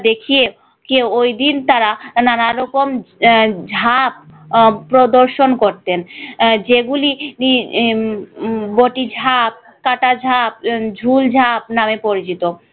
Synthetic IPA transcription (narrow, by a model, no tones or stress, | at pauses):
d̪ekʰie | kewojd̪int̪aɾananaɾɔkom | d͡ʑʱap̚pːɾod̪oɾʃonkoɾt̪end͡ʑeɡulini | boʈid͡ʑʱap̚ | kaʈad͡ʑʱap̚d͡ʑʱuld͡ʑʱap̚namepoɾit͡ɕit̪o